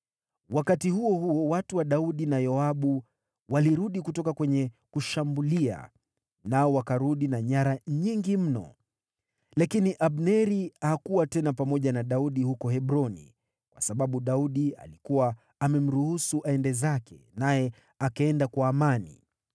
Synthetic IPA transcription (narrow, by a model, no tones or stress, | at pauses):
wakatihuɔhuɔwatuwaɗauɗinajɔaɓu | waliɾuɗikutɔkakwɛɲɛkuʃambulia̰ | naɔwakaɾuɗinaɲaɾaɲiŋɡim̩nɔ̰ | lakiniʔaɓnɛɾihakuwatɛnapamɔʄanaɗauɗihukɔhɛɓɾɔnḭ | kwʔa̰saɓaɓuɗauɗia̰likuwaː | mɛm̩ɾuhusuʔaɛndɛzakɛ̰najɛ | akaɛndakwaːmanḭ